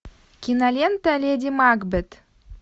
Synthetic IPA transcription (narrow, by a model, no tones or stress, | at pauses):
kʲinalʲent̪alʲed̪ʲimaɡbɘt̪